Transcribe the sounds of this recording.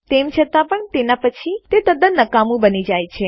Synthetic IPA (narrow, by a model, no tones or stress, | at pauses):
t̪emt͡ʃʰət̪apəɳt̪enapət͡ʃʰit̪et̪əd̪ənəkamũbənid͡ʒajt͡ʃʰe